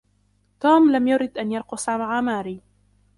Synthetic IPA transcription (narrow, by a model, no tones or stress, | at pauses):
t̪uːmlamjʊɾɪd̪ʔanjɑɾˤqʊsˤamaʕamaːɾiː